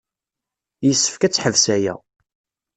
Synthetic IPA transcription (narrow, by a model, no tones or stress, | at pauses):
jəsːə̥fkæt͡sːħəvsæjæ̰